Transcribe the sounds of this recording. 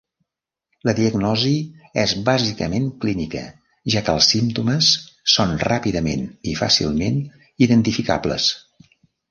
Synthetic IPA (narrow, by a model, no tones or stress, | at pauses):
ləðiəɡnɔziɛzβazikə̰meŋklinikə̰ | ʒakə̰lˠsːimt̪uməsːonrapiðəmḛnifa̰sḭlˠmen | iðənt̪ifika̰blə̰s